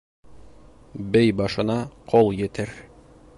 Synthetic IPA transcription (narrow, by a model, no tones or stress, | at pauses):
bɘjbɑʃɤ̆nɑqʰolˠjɘ̆t̪ɘɾ